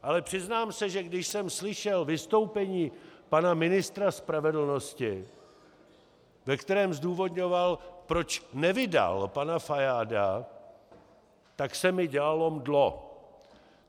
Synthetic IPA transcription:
ʔalɛpr̝̥ɪznaːmsɛʒɛɡdɪʃsɛmslɪʃɛlvɪst̪o̞wpɛɲiːpanamɪnɪst̪ɾaspɾavɛdl̩no̞scɪ | vɛkt̪ɛɾɛːmzduːvo̞d̪ɲo̞valpɾo̞t͡ʃnɛvɪda̰lpanafajaːda̰ | t̪aksɛmɪɟɛlalo̞mdlo

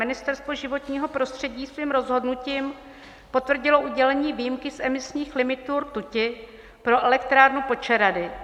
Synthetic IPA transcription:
ɪnɪst̪ɛɾst̪vo̞ʒɪvo̞t̪ɲiːɦo̞pɾo̞st̪r̝̥ɛɟiːsviːmɾo̞zɦo̞dnuciːm | po̞t̪vr̩ɟɪlo̞ʔuɟɛlɛɲiːvijimkɪsʔɛmɪsɲiːxlɪmɪt̪uːɾt̪ucɪ | pɾo̞ʔɛlɛk̚t̪ɾaːɾnupo̞t͡ʃɛɾadɪ

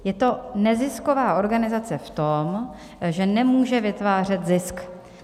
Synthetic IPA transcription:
jɛt̪o̞nɛzɪskovaːʔo̞ɾɡanɪzat͡sɛft̪o̞m | ʒɛnɛmuːʒɛvɪt̪vaːr̝ɛt̪zɪsk

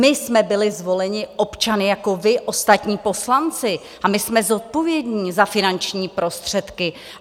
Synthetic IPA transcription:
mɪsmɛbɪlɪzvo̞lɛɲɪʔo̞pt͡ʃanɪjako̞vɪʔo̞st̪at̪ɲiːpo̞slant͡sɪ | ʔamɪsmɛzo̞t̪̚po̞vjɛdɲiːzafɪnant͡ʃɲiːpɾo̞st̪r̝̥ɛt̪kɪ

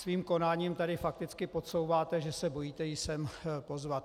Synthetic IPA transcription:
sviːmko̞naːɲiːmt̪adɪfak̚t̪ɪt͡skɪpo̞so̞wvaːt̪ɛʒɛsɛbo̞jiːt̪ɛjɪsɛmpo̞zvat̪

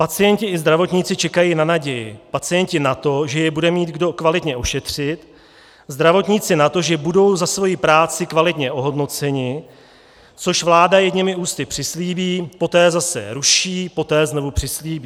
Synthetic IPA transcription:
pat͡sɪjɛɲcɪɪzd̪ɾavo̞t̪ɲɪt͡sɪt͡ʃɛkajinanaɟɛjɪpat͡sɪjɛncɪnat̪o̞ʒɛjɛbudɛmiːt̪ɡdo̞kvalɪt̪ɲɛʔo̞ʃɛt̪r̝̥ɪt̪ | zd̪ɾavo̞t̪ɲɪt͡sɪnat̪o̞ʒɛbudo̞wzasvo̞jipɾaːt͡sɪkvalɪt̪ɲɛʔo̞ɦo̞dno̞t͡sɛɲɪ | t͡so̞ʃvlaːdajɛɡɲɪmɪuːst̪ɪpr̥ɪsliːbiːpo̞t̪ɛːzasɛ̰ɾuʃiːpo̞t̪ɛːzno̞vupr̥ɪsliːbiː

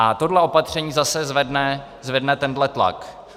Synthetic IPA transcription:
ʔat̪o̞dlɛopat̪r̝̥ɛɲiːzasɛzvɛdnɛ | zvɛdnɛt̪ɛndlɛt̪la̰k

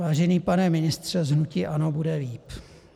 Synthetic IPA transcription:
vaːʒɛniːpanɛmɪnɪst̪r̝̥ɛzɦnuciʔano̞budɛviːp

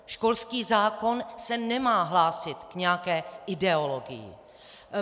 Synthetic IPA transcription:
ʃko̞lskiːzaːko̞nsɛnɛmaːɦlaːsɪt̪kɲɛjakɛːʔɪdɛolo̞ɡɪ̰jɪ̰

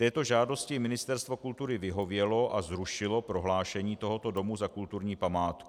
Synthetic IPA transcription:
t̪ɛːt̪o̞ʒaːdo̞scɪmɪnɪst̪ɛɾst̪vo̞kult̪uɾɪvɪɦo̞vjɛlo̞ʔazɾuʃɪlo̞pɾo̞ɦlaːʃɛɲiːt̪o̞ɦo̞t̪o̞do̞muzakult̪uɾɲiːpamaːt̪k

